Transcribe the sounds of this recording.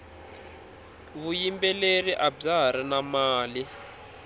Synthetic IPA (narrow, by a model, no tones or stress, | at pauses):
βujimbɛleriʔab͡ʐaɾ̤inamaːli